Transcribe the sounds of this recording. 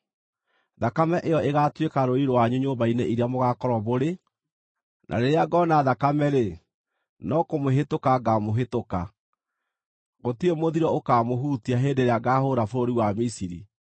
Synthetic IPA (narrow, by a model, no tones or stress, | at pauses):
ðakamɛʔejɔʔeɣatwekaɾoiɾowaɲuɲoːmbaineʔiɾeamoɣakɔɾɔβoɾe | nʔa̰ɾeɾeaɡɔnaðakamɛɾe | nɔkomoɦetokaɡamoɦetoka | ɣotiemoðiɾɔokaːmoɦuːtiaɦeːdeɾeaɡahoɾafoɾoɾiwamisiɾḭ